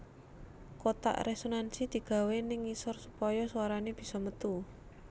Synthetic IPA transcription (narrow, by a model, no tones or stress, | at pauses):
kot̪a̰ʔresonansid̪̥i̤ɡ̥a̤wenɪŋːisɔrsupɔjɔsuwaɾaneb̥i̤̥sɔmət̪u